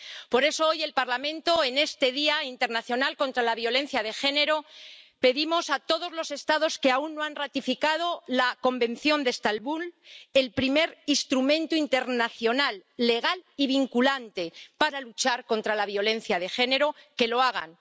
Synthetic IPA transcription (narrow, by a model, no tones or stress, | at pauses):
po̞ɾe̞sooje̞lpaɾlamẽnt̪o̞e̞ne̞st̪e̞ðiaint̪e̞ɾnaθjo̞nalko̞nt̪ɾalaβjo̞lẽ̞nθjaðe̞xe̞ne̞ɾo̞pe̞ðimo̞sat̪o̞ðo̞zlo̞se̞st̪aðo̞ske̞aunːoanrat̪ifikað̞o̞lako̞mbẽ̞nθjo̞nd̪est̪alβule̞lpɾime̞ɾist̪ɾumẽ̞nt̪uint̪e̞ɾnaθjo̞nalːe̞ɣ̞aliβiŋkulant̪e̞paɾalut͡ʃaɾko̞nt̪ɾalaβjo̞le̞nθjað̞e̞xene̞ɾo̞ke̞lo̞aɣ̞a̰n